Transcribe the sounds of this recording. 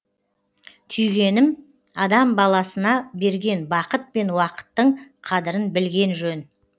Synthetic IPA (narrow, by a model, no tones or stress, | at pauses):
t̪ʰʏjɡʲe̞nɪm | ɑd̪ɑmbɑlˠɑsənɑbe̞ɾɡʲe̞nbɑqət̪̚pe̞nwɑqə̥t̪ːəɴqʰɑd̪əɾənbɪlɡʲe̞nʒɵn